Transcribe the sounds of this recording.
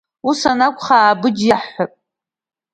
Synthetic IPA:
usanakʷʼχaːbɨd͡ʒjaħapʼ

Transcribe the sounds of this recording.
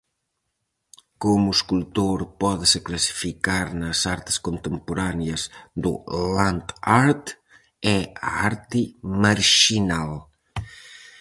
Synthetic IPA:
komʊeskult̪oɾpɔðɪseklasi̥fikaɾnɐsaɾt̪ɪ̥skont̪empoɾanjɐzd̪ʊ̰lant̪aɾt̪ | ɛa̰aɾt̪ɪmaɾʃinal

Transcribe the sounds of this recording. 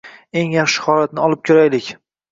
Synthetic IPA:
e̞ŋjɑχʃɪ̥hɒlat̪̚nɪɒlˠɪp̚kʲʰoɾajlɪkʲ

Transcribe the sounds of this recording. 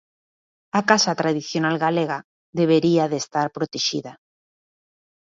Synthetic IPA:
akasat̪ɾaðiθjonalɣaleɣa | ðeβ̞eɾiaðest̪aɾpɾot̪eʃḭða

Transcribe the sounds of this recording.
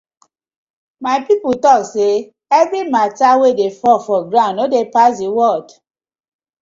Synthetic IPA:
maɪpiputɔkse | ɛvɾimatawedefɔfɔɡɾãʊ̃nodepasewɔd

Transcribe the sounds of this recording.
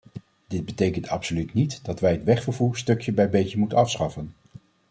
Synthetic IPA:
d̥ɪd̚bətejkəntʰɑpsolytnitdɑtʋɛjɦətʋɛχfəɹvuːɹstɵkjəbɛjbejtəmutənɑfsχɑfən

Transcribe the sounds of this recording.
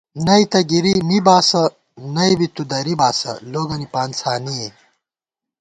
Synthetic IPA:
nɐit̪ɐɡiɾimibaːsɐ | nɐibit̪ud̪ɐɾibaːsɐ̰loːɡɐnipaːnsʰaːnie

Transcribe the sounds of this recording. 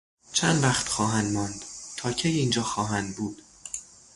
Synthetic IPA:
t͡ʃʰænd̪væxt̪xɒːɦænd̪mɒːnd̪̥t̪ʰɒːcʰejiːnd͡ʒɒːxɒːɦænd̪̚buːd̪̥

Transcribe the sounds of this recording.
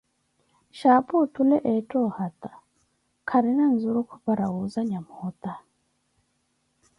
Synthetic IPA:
ʃaːputulɛʔɛtʼɔhat̪a | kʰaɾinan̩zuɾukʰupaɾaɣuzaɲamuhɔt̪a

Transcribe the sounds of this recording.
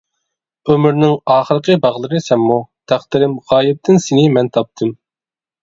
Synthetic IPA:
ømyɾnɪŋɑːχəɾəqəbɑʁlˠɨɾɨsɛmːut̪ʰæχt̪ɪɾɪmʁɑːjɪp̚t̪ʰɪnsɪnɪmɛnt̪ʰɑp̚t̪ʰɨm

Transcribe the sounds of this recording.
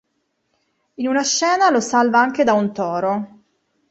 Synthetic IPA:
inunaʃːɛːnalosalvaaŋk̟ed̪aunt̪ɔːɾo

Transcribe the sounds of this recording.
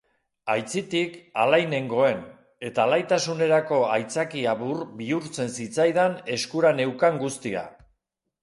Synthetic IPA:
ajt͡sit̪ikalajne̞ŋɡo̞e̞n | e̞t̪aːlajt̪asune̞ɾako̞ajt͡sakiaβurbiuɾt͡se̞nsit͡sajðane̞skuɾane̞wkaŋɡust̪ia̰

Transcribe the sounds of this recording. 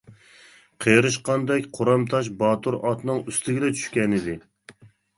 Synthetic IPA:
qʰeɾɨʃqɑnd̪ɛkʲqʰoɾɑmt̪ʰɑʃ̬bɑːt̪ʰuɾɑt̪nɨŋyst̪ɪɡʲɪlɛt͡ʃʰy̥ʃkʲɛnɪd̪ɪ

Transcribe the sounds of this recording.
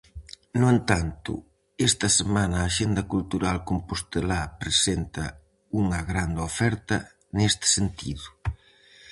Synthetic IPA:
nʊent̪ant̪ʊ̰ | est̪ɐsemanɐːʃend̪ɐkult̪uɾalkompost̪elapɾesent̪ɐ | uŋɐɣɾand̪ofɛɾt̪ɐ̰ | nest̪ɪ̥sent̪ḭðʊ

